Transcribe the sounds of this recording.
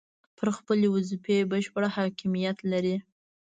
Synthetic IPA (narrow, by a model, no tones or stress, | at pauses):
pʰəɾxpəlewʊzipebəʃpəɽahɑkimijat̪laɾi